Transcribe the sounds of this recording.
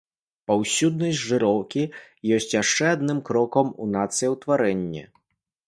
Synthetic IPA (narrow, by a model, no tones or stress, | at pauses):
pɐwsʲud̪nɐjʲʐɨɾɔwkʲi | jɔsʲt͡sʲjaʂt͡ʂɛad̪nɨmkɾɔkɐmunat̪sɨjɐwt̪vaɾɛnʲːɛ̰